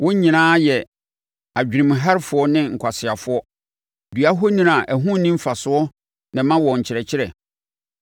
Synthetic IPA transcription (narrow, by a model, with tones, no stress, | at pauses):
wʔɔ̃˦ɲĩ˨nãː˦jɛ˨ | a˨d͡ʑᶣi˨ɾĩ˨m˨ɦa˦ɾfʊ˨˦ɔ˦nɪ̃˦ŋ̩˨kʷʰa˨sɪ˨a˨fʊ˦ɔ˦ | dɥa˦ɦo˦nĩ˦ã˨ʔæ˨ɦʊ̃˦˨nːĩ˦m̩˦fa˨sʊ˦ɔ˦ | nɪ̃˨mã˦wɔ̃˨ɲ˨t͡ɕʰɪ˨ɾɛ˨t͡ɕʰɪ˦ɾɛ˨